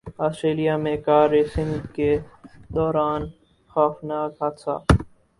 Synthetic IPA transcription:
aːsʈɾeːlijamẽkaːɾeːsɪ̃ŋɡked̪ɔːɾaːn | xaːfnaːkɦasʰa̰ː

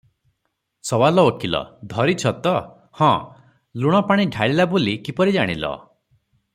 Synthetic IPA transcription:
sɔwalɔokilɔ̰d̪ʱɔɾit͡ʃʰɔt̪ɔ | hɔ̃ | luɽ̃ɔpaɽ̃iɖʱaɭilabolikipɔɾid͡ʒaɽ̃ḭlɔ̰

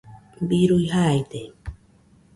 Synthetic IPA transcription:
biɾujhajt̪e

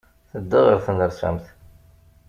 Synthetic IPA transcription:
θəd̪ːəðəɾθənəɾsæ̰mθ

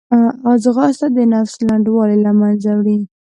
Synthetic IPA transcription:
ɑzɣɑst̪ad̪ənafslaɳɖwɑlilamanzawɽi

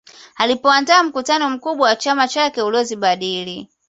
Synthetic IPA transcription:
alipɔandaːm̩kutanɔm̩kuɓwawat͡ʃamat͡ʃakɛulɔziɓaɗili

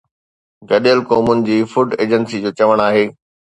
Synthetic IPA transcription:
ɡɐɗəlkoːmʊnɪ̆d͡ʑiːfʊɖeːd͡ʑənsid͡ʑoːt͡ɕɐʋəɽ̃aːɦeː

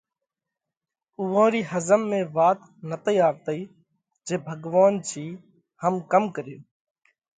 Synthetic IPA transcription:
uːʋãːɾiːhəzəmːẽːʋaːt̪ | nət̪əiːaːɾt̪əiː | d͡ʒeːbʱəɡʋaːnt͡ʃʰiː | həmkəmkəɾjoː

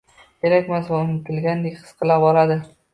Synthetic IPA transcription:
kʲeɾakʲmasvaʊnɪt̪ʰɪlɡʲand̪ekʲqʰɨ̥sqʰɨlapɒlad̪ɪ

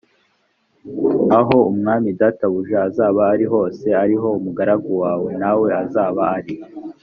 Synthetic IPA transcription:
aɦo̞umŋaːmidataβuʒaːzaːβaːɾiɦo̞ːse̞aɾiɦo̞umuɡaɾaɡowaːwe̞nawe̞azaːβaːɾi

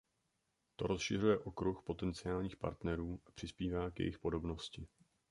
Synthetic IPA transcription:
t̪o̞ɾo̞sʃɪrujɛʔo̞kɾuxpo̞t̪ɛnt͡sɪaːlɲiːxpa̰ɾt̪nɛɾuːʔḁpr̝̥ɪspiːvaːkjɛ̰jɪxpo̞do̞bno̞scɪ

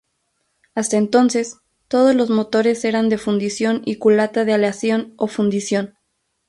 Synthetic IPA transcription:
ast̪aent̪o̞nse̞s | t̪o̞ð̞o̞zlo̞zmo̞t̪o̞ɾe̞se̞ɾand̪e̞fund̪isjo̞nikulat̪aðealeasjo̞no̞fund̪isjo̞n

